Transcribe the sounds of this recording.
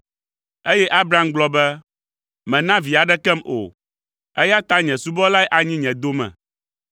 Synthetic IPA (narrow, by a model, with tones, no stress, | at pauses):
e˦jɛ˦ʔa˦bɾa˦mɡ͡blɔ˦bɛ˦ | mɛ̃˨nã˦vi˨a˨ɖɛ˦kɛ˦mo̰˨ | ɛ˦ja˦t̪a˦ɲɛ̃˨su˦bɔ˦la˦ɛ˦ʔa˨ɲĩ˦ɲɛ̃˨d̪o˦mɛ̰̃˨